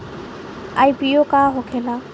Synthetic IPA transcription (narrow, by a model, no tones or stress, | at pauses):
ajpiokaɦɔkʰɛla